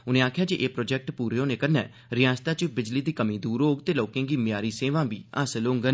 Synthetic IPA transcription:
ʊnẽːaːkʰjaːd͡ʒiʔeːpɾoːd͡ʒɛːk̚ʈpuːɾeːõːnẽːkəɾnɛː | ɾɪjãːst̪aːt͡ʃəbɪd͡ʒliːd̪iːkəmĩːd̪uːɾɦoːɡt̪eːloːkẽːɡiːmɪjaːɾiːseːʋãːbiːa̰slõːŋɡən

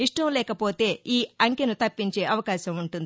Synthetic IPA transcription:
iʂʈɐmlɛːkɐpo̞ːt̪e̞ːiːɐŋkenut̪ɐpːiɲt͡ʃe̞ːʔɐʋɐkaːʃɐmuɳʈund̪i

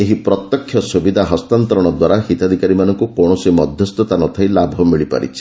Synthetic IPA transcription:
eɦipɾɔt̪jɔkʰːjɔsubid̪ʱaɦɔst̪ant̪ɔɾɔɽ̃ɔd̪waɾaɦit̪ad̪ʱikaɾimanɔŋkukɔɽ̃ɔsimɔd̪ʱjɔst̪ɔt̪anɔt̪ʰailabʱɔmiɭipa̰ɾḭt͡ʃʰi̥

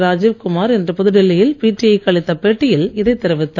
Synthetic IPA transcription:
ɾaːd͡ʒiːʋkʊmaːɾɛndrɯpʊðɯɽɪlːɪjɪlpiːʈrɪjɐɪkːɐɭɪt̪ːɐpeːʈːɪjɪlɪðɐɪt̪ːɛɾɯʋɪt̪ːa

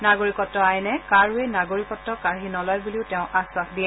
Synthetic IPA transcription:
naɡoɹikɔtːɔajnɛkaɹuenaɡoɹikɔtːɔkaɹɦinɔlɔjbuliʊtɛʊ̃ʔaswaxdiɛ

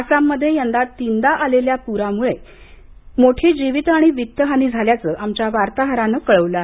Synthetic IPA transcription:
asamːəd̪ʱjejənd̪at̪ind̪aʔaleljapuɾamuɭe | moʈʰiːd͡ʑiʋit̪aɽ̃iʋik̚t̪ːəɦaniːd͡zʱaljat͡səːʔamt͡ɕjaʋaɾt̪aɦəɾanəːkəɭəʋla

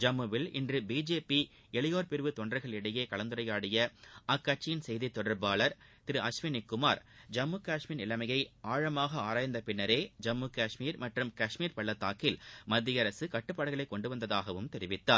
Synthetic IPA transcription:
d͡ʒɐmːɯʋɪlɪ̰ndrɯbiːd͡ʒeːpi | ɛɭɪjoːɾpɪɾʋɯt̪ɔɳdrɐɪɣɐɭɪɽɐjeːkɐɭɐnd̪ɯɾɐjaːɽɪjɐɐkːɐʈ̚t͡ʃːɪjɪnsɛjðit̪ːɔɽɐɾbaːɭɐɾt̪ɪɾɯʔɐsʋɪnɪkːɯmaːɾd͡ʒɐmːɯkaːʂmiɪnɪlɐmɐjɐɪʔaːɻɐmaːɣɐaːɾaːjɐnd̪ɐpɪɳːɐɾeːd͡ʒɐmːɯkaːʂmiːɾmɐʈrɯmkɐʂmiːɾpɐɭːɐt̪ːaːkɪlmɐd̪ːɪjɐɾɐsɯkɐʈːɯpːaːɽɐɣɐɭɐɪkːɔɳɖɯʋɐnd̪ɐðaːɣɐʋɯmt̪ɛɾɪʋɪt̪ːaːɾ

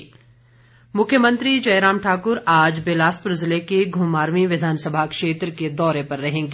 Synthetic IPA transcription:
mʊkʰjəmə̃nt̪ɾid͡ʒɐjɾaːmʈʰaːkʊɾaːd͡ʒbeːlaːspɾʊzlekeɡʱʊmaːɾmiʋɪd̪ʱaːnsəbʱakʃeːt̪ɾəked̪ɔːɾepɐɾːɐɦẽːŋɡeː

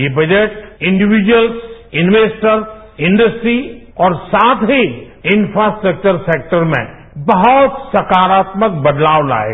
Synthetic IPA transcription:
jebɐd͡ʒeʈɪ̃ɳɖɪʋid͡ʒwəlsɪ̃nʋeːsʈəɾ | ɪ̃ɳɖəsʈɾi | ɔːɾsaːt̪ʰɦi | ɪ̃nfɾasʈɾək̚t͡ʃəɾseːk̚ʈəɾmḛ̃ | bɐɦɔt̪sɐkaːɾaːt̪mək̚bɐd̪laːʋla̰ːḛ

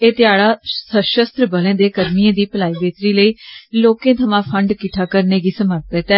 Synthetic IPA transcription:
eːt̪ɪjaːɽaːsəʃəst̪ɾbəlẽːd̪eːkəɾmijẽːd̪iːpəlaːiːbeːt̪ɾiːləiːloːkẽːt̪ʰəmãːpʰəɳɖkɪʈʰːaːkəɾneːɡiːsəməɾt̪ət̪ɛː

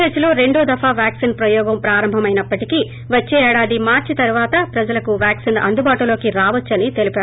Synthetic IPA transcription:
et͡ʃɐluɾe̞ɳɖuːd̪ɐfaːʋjaːksinpɾɐjɔːɡɐmpɾaːɾɐmbʱɐmɐjnɐpːɐʈiki | ʋɐt͡ʃːeːɛːɽaːd̪imaːɾt͡ʃit̪ɐɾuʋaːt̪ɐpɾɐd͡ʒɐlɐkuʋjaːksinɐ̰nd̪ubaːʈulo̞ːkiɾaːʋɐt͡ʃːɐnit̪e̞lipaːɾ

